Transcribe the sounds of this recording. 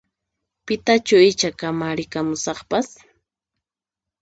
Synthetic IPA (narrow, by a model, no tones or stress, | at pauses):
pɪt̪at͡ʃʊɪt͡ʃakamaɾɪkamʊsɑχpas